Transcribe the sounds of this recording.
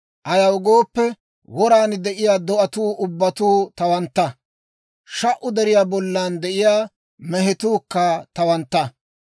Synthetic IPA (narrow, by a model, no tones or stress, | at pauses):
ʔɐjɐwɡoːpːɛ | wɔɾaːnd̪ɛʔɪjaːd̪ɔʔɐt̪uːʔʊbːɐt̪uːt̪ɐwɐnt̪ːɐ | ʃɐʔʊd̪ɛɾɪjaːbɔlːaːnd̪ɛʔɪjaː | mɛɦɛt̪uːkːɐt̪ɐwɐnt̪ːɐ